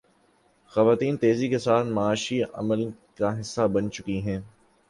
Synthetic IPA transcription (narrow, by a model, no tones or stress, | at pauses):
xɐʋaːt̪iːnt̪eːzikesaːt̪ʰmɐaːʃiɐ̰məlkaɦɪsːabɐnt͡ʃʊkiɦɛ̃ː